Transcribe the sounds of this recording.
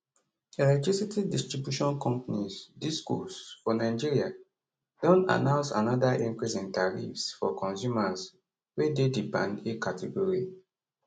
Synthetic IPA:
ɛlɛtisitidistɹibjuʃɔ̃nkɔ̃mpanisdiskṵsfɔnaɪd͡ʒiɹia | d̥ɔ̃na̰nãʊnsa̰nɔdaʔĩŋkɹisĩntaɹifsfɔ̰kɔ̃nsjumas | wededipã̰ndekatʰɛɡɔɹi

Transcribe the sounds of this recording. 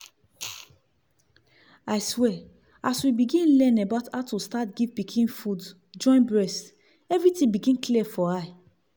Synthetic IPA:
aɪswɛ | aswibiɡĩnlɛ̃nabaʊthaʊtʰustatɡivpikʰĩnfud | d͡ʒɔ̃ɪ̃nbɹɛst | ɛvɹitĩbiɡĩnkliɛfɔa

